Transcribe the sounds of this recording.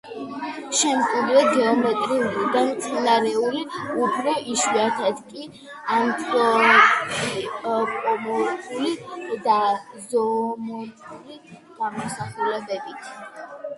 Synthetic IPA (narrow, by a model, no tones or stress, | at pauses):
ʃɛmχʼɛd̪ɾɛɡɛɔmɛt̪ʼɾiulid̪amt̪sʼinaɾɛuliupʰɾɔʔiʃiat̪ʰat̪kʼi | ant̪ʼɾɔ | ipʼɔmɔɾtʼulid̪azɔmɔtʰʼuliɡ̪̥amɔsaχulɛbɛbit̪ʰ